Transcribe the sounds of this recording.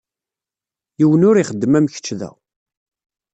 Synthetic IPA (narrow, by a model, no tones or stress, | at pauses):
jiwənʊɾiχəd̪ːəmæmçə̥t͡ʃːðæ̰